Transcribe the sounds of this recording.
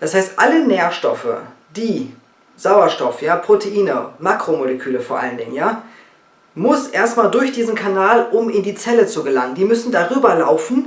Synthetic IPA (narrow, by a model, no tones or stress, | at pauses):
d̥ashaɪstʔaləneːɐʃtɔfə̰ | d̥iː | z̥aʊɐʃtɔfjaːpʁ̥otʰeʔiːnəmakʁ̥omoləkʰyːləfoːɐʔa̰ləndɪŋənjaː | mʊsʔeːɐstmaːldʊɐçd̥iːzn̩kʰanaːlʔʊmɪndiːt͡sɛlət͡suɡəlaŋəndiːmʏsn̩daʁyːbɐla̰ʊfn̩